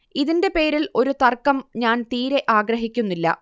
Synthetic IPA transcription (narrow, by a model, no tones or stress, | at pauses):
iðinde̞pe̞ːɾilo̞ɾut̪ɐrkɐmɲaːnt̪iːɾe̞ʔaːɡɾɐɦikʲːunːilːɐ̰